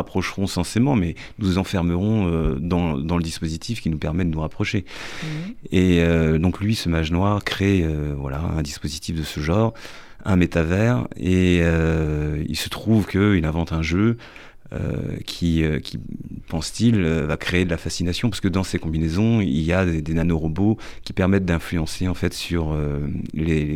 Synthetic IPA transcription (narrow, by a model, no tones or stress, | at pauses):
apχɔʃʁɔ̃sɑ̃semɑ̃mɛ | nuzɑ̃fɛʁməʁɔ̃ød̪ɑ̃d̪ɑ̃ləd̪ispozit̪ʰifkʲinupɛʁmɛd̪ənuʁapχɔʃe | eød̪ɔ̃klɥisəmaʒnwaʁkχeøvwa̰la̰ɛ̰̃d̪ispozit̪ifd̪əsəʒɑ̃ːʁ | ɛ̰̃met̪avɛʁeø | ḭlsə̥t̪χuvkəilɛ̃vɑ̃t̪ɛ̃ʒø | ø̰kʲʰiøkʲipɑ̃st̪iløvakχeːd̪əlafasinasjɔ̃paʁsə̥kəd̪ɑ̃sekɔ̃binezɔ̃ḭljad̪ed̪enanoʁɔbokʲi̥pɛʁmɛt̪̚d̪ɛ̃flyɑ̃seɑ̃fɛt̪syʁøle